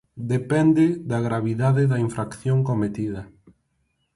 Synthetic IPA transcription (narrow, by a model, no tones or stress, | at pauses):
d̪epɛnd̪ɪðɐɣɾaβiðaðɪðɐiɱfɾakθjoŋkomet̪iðɐ